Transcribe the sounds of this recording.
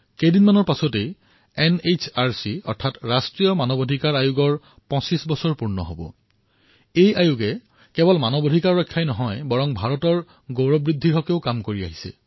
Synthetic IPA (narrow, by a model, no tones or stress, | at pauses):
kejdinmanɔɹpasɔte | ɛnet͡ʃʰaɹsiɔ̰ɹtʰatɹastɹijɔmanɔbodʱikaɹajuɡɔɹ | pɔ̃sisbɔsɔɹpuɹnɔ̰ɦo̰bɔ̰ | ejajuɡɛ | kɛbɔlmanɔbodʱikaɹːɔjkʰːajnɔɦɔjbɔɹɔŋbʱaɹɔtɔɹ | ɡoɹɔbɹid̪ʱːiɦɔkeʊkamkoɹia̰ɦisɛ̰